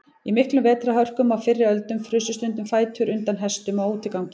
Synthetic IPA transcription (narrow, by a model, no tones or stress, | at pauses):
imɪhklʏmvɛːt̪ɾahœr̥kʏmawfɪrːɪœlt̪ʏmfɾʏsʏst̪ʏnt̪ʏmfaːjt̪ʰʏɾʏnt̪anɦɛst̪ʏmawuːt̪ʰɪkawcɪ